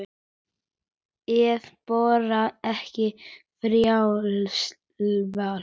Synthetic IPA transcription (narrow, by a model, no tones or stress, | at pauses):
ɛðpɔːɾaɛhcɪfɾjaw | val